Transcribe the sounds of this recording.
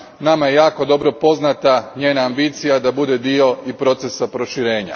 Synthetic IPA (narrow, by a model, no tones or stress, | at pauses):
namajejaːko̞d̪o̞bɾo̞po̞znat̪aɲe̞ːnaːmbit̪sijad̪abud̪e̞d̪io̞ipɾo̞t̪se̞sapɾo̞ʃiɾe̞ːɲa̰